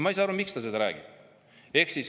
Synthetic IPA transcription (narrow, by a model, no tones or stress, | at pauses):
mɑijs̬ɑɑɾvumikst̪ɑsed̪ɑɾæ̰ːɡ̥ḭb̥ | e̞ksis